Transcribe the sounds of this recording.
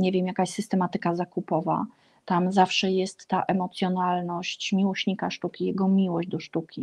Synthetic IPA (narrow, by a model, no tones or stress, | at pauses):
ɲevʲjɛmjakaɕsɘst̪ɛmat̪ɘkazakupɔva̰ | t̪amzafʂɛjɛst̪ːaʔɛmɔt̪sʲjɔnalnɔɕt͡ɕmʲiwɔɕɲikaʂt̪ukʲijɛɡɔmʲiwɔʑd͡ʑd̪ɔʂt̪ukʲi